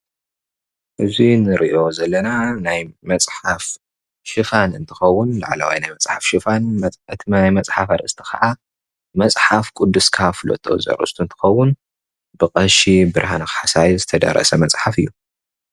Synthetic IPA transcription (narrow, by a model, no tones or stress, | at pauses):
ʔɨzinɨɾʔiʔo̞zɐlːɐnanajmɐt͡sʼħaf | ʃɨfanɨnt̪ʰɨ̥xɐwːʊnlaʕla̰wa̰jnajmɐt͡sʼħafʃɨfanɨt̪ajmɐt͡sʼħafaɾʔɨst̪ʰi̥xɐ̰ʕa | mɐt͡sʼħafkʼud̪ːɨskʰafɨlo̰t̪ʰʼːɐ̰zɐ̰ɾʔɨ̰st̪ʰunt̪ʰɨ̥xɐwːʊn | bɨqʼɐʃibɨɾhanakħasajzɨt̪ʰɐd̪ɐ̰ɾɐ̰sɐmɐt͡sʼħafɨjːu